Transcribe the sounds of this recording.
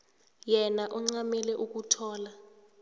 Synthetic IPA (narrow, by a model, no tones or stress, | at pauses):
jɛnaʔɔŋ͡ǀamɛlɛʔuk̬utʰɔːla